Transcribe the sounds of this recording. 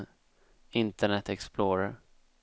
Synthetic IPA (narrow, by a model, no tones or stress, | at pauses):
ɪnt̪əɳɛt̪ɛksploːɾaɾ